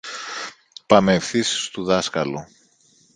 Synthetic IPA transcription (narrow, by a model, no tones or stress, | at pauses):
pɐmefθisst̪uðɐskɐlu